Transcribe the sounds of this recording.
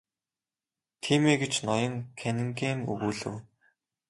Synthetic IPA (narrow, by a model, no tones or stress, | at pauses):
t̪ʰiːmeːɡet͡ɕnɔjɞ̆ŋkʰænɘ̆ŋkeːmɵ̰ɣuːɮɘ̰̆w